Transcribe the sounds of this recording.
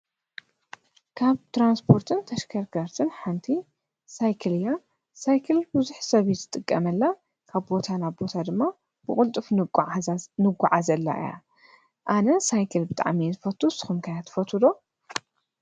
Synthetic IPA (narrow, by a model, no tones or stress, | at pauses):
kʰaβt̪ʰɾanspʰo̞ɾt̪ʰɨnt̪ʰɐʃkʰɐɾkʰɐɾt̪ʰɨnħant̪ʰi | sajkʰɨlja | sajkʰɨlbɨzuħsɐβizɨt̪ʼɨkʼːɐmɐlːa | kʰaβbo̞t̪ʰanaβbo̞t̪ʰad̪ɨmːa | b̥ɨkʼʊlt̪ʼɨf | nɨɡʷːaʕazɐlːa̰ʔɨ̰ja̰ | ʔanɐsajkʰɐlbɨt̪ʼa̰ʕmizɨfɐt̪ʰːusɨ̥xumkʰajat̪ʰːɨ̥fɐt̪ʰɨd̪o